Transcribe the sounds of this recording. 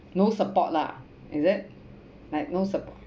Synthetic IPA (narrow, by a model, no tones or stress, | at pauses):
nosəpɔʔ̚la̰ʔ | ɪzɪt̚ | laɪk̚nosəpɔ